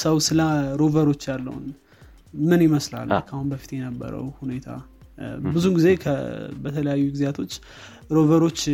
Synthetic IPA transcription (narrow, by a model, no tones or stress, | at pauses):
səwsɨlaɾovəɾo̞t͡ʃːjalːə̰hṵn | mɨnjɪməsla̰lːə̰kʰahunbəfi̥t̪jɛnəbːə̰ɾə̰whune̞t̪ʰa̰ | bɨzuɡize̞kʰə̰bət̪ʰələjajːuɡizjat̪ʰo̞t͡ʃː | ɾo̞vəɾo̞t͡ʃː